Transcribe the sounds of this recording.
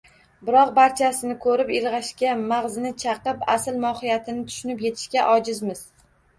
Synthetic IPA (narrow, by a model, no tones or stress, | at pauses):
bɪɾɒq̚baɾt͡ʃʰasɪnɪkʰɵɾɪpɪlˠʁɑʃkʲamaʁzɪnɪt͡ʃʰɑqɨpasɪlmɒhɪjat̪ʰɪnɪt̪ʰʊ̥ʃʊnɪpje̞t̪ʰɪ̥ʃkʲaʔɒd͡ʒɪzmɪz̥